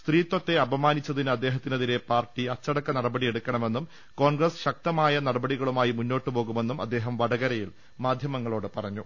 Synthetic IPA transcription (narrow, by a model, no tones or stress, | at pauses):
st̪riːt̪ːwɐt̪ːe̞ɐbɐmaːnit͡ɕːɐðinɐd̪ːe̞ːɦɐt̪ːinɐðiɾe̞paːrʈiɐt͡ɕːɐɽɐkːɐnɐɽɐbɐɽie̞ɽukːɐɳɐme̞nːum | ko̞ːɳɡrɐsɕɐk̚t̪ɐmaːjɐnɐɽɐbɐɽiɣɐɭumaːjimunːo̞ːʈːɨpo̞ːɣume̞nːumɐ̰d̪ːe̞ːɦɐmʋɐɽɐɣɐɾɐjil | maːd̪ʱjɐmɐŋːɐɭo̞ːɽɨpɐrɐɲːu